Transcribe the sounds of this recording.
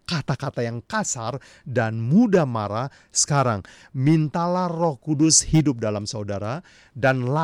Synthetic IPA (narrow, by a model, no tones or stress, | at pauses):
kat̪akat̪ajaŋkasar | danmudamaɾa | sə̥kaɾa̰ŋ | mint̪alahrɔhkudʊshidʊp̚dalamsaudaɾa | danla